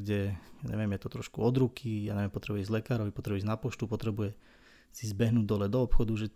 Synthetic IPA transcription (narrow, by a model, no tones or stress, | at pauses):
ɡɟɛaɲɛ̰ʋɪjɛmjɛt̪ɔt̪ɾɔʃkuɔd̪ɾukʰija̰ːɲɛʋɛmpɔt̪ɾɛbujɛizlɛkaːɾɔʋipɔt̪ɾɛbuɛznapɔʃt̪upɔt̪ɾɛbujɛ | sizbɛɦnuːɟd̪ɔlɛd̪ɔɔpxɔd̪uʒɛ